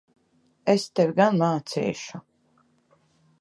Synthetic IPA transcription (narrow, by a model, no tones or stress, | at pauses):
est̪ɛwʲɡanmaːt̪sɛ̰ːʃu